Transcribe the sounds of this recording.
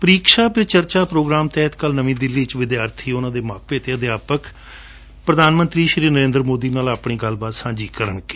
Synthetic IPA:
pəɾiːkʃaːpɪt͡ʃəɾt͡ʃaːpɾoːɡɾaːmt̪ɛːt̪kəlnəʋĩːd̪ɪlːiːt͡ʃʋɪd̪jaːɾt̪ʰiːʊnãːd̪eːmaːk̚peːt̪eːəd̪ɪjaːpək | pɾəd̪ʱaːnmə̃nt̪ɾiːʃɾiːnəɾẽːnd̪əɾmoːd̪iːnaːlaːpɳiːɡəlbaːt̪sãːd͡ʒiːkəɾəɳkeː

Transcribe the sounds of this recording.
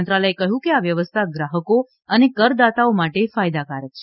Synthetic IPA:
nt̪ɾaləjekəɦjũkeaʋjəʋəst̪ʰaɡɾaɦəko | ənekəɾd̪at̪aomaʈefajd̪akaɾət̪t͡ʃʰe

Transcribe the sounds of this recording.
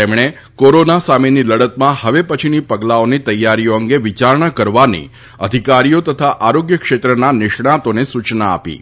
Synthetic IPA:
t̪emɳ̃e | koɾonasameniləɽət̪mãhəʋepət͡ʃʰinipəɡlaonit̪əjːaɾijoəŋɡeʋit͡ʃaɾɳ̃akəɾʋanḭ | ə̰d̪ʱikaɾijot̪ət̪ʰaʔaɾoɡjəkʃet̪ɾənanɪʃɳãt̪onesut͡ʃna̰ːpḭ

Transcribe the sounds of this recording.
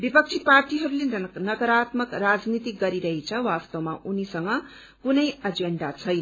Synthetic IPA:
bipʌk̚t͡sʰiparʈiɦʌɾulenʌkʌɾat̪mʌkrad͡znit̪iɡʌɾiɾʌɦit͡sʰʌwast̪ʌwma̰ʔunisʌŋɡʌ | kunʌjʌd͡zeɳɖat͡sʰʌjn

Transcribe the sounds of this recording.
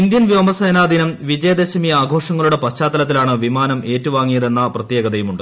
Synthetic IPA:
ind̪jɐnʋjoːmɐseːnaːd̪ʱinɐmʋid͡ʑɐjɐd̪eɕɐmijɐaːɡʱo̞ːʂɐŋːɐɭuɽe̞pɐɕt͡ɕaːt̪ːɐlɐt̪̬ːilaːɳɨʋimaːnɐmʔe̞ːtːuʋaːŋːijɐðe̞nːɐprɐt̪jeːɡɐðɐjumuɳɖɨ

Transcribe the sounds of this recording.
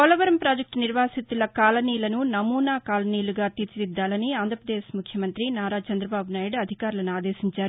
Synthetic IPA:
kɔlɐʋɐɾɐmpɾaːd͡ʒɐk̚ʈniɾʋaːsit̪ːulɐkaːlɐniːlɐnunɐmuːnaːkaːlɐniːluɡaːt̪it͡ʃid̪id̪ːaːlɐniaːnd̪ʱɾɐpɾɐd̪eːʃmukʰjɐmɐnt̪ɾinaːɾaːt͡ʃɐnd̪ɾɐbaːbunaːjiɽɐd̪ʱikaːɾulɐnuaːd̪eːsiɲt͡ʃaːɾu

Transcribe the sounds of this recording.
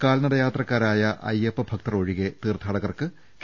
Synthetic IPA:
kaːlnɐðɐjaːt̪rɐkːaːɾaːjɐʔɐ̰jepːɨbʱɐk̚t̪ɐroːɻiɣet̪iːrt̪ʰːaːɽɐɣɐrkɨ | k

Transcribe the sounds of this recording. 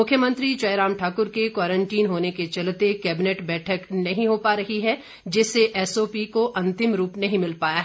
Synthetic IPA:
ʊkʰjəmə̃nt̪ɾit͡ʃɐɪɾaːmʈʰaːkʊɾkekwaːɾə̃ɳʈiːnɦoːneket͡ʃɐlt̪ekɛːbɪneːʈbɛːʈʰəknɐɦĩɦopaːɾɐɦiɦɛ | d͡ʒɪseʔɛːsoːpikoʔɐ̃nt̪ɪmɾuːpnɐɦĩmɪlpaːjaɦɛ

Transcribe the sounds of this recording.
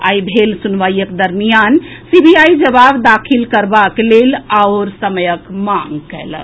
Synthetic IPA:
a̰ibʱelsunʋajəkd̪əɾmijansibiaid͡ʒəbabd̪akʰilkəɾbaklelaoɾsəməjəkmaŋɡkɛ̰l

